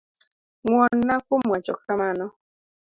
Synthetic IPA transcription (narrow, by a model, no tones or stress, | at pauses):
ŋwɔnːakʊmwat͡ʃɔkamanɔ